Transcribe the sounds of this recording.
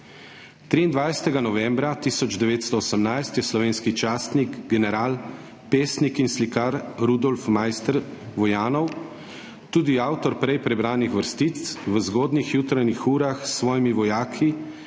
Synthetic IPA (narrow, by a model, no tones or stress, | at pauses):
t̪ɾiːnd̪ʋajsɛ̥t̪ɛɡanɔʋɛmbɾat̪iːsɔd͡ʒd̪ɛʋeːt̪st̪ɔɔsəmnajst̪jɛslɔʋeːnskit͡ʃaːst̪niɡɡɛnɛɾaːl | peːsnikinslikaɾɾud̪ɔlfmajst̪əɾʋɔjaːnɔw | t̪uːd̪iawt̪ɔɾpɾɛjpɾɛbɾaːnixʋəɾst̪it̪sʋəzɡɔːd̪nixjuːt̪ɾajnixuːɾaxsʋɔːjimiʋɔjaːkʰi